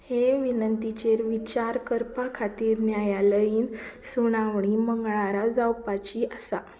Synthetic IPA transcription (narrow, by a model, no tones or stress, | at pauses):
heʋinənt̪it͡ɕeɾʋit͡ɕaɾkəɾpakʰat̪iːɾnjajaləiːnsuɽ̃aʋɳ̃iməŋɡɭaɾad͡zawpat͡ɕiʔəsa